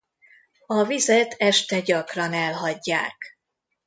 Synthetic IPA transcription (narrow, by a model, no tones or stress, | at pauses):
ɒvizɛt̪ɛʃt̪ɛɟɒkrɒnɛlɦɒɟːaːk